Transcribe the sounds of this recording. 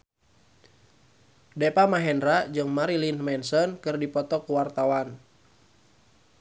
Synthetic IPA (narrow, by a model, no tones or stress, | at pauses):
dɛpamaɦɛnɾad͡ʒɨŋmaɾilinmɛnsɔnkɨrdipɔt̪ɔkuwart̪awan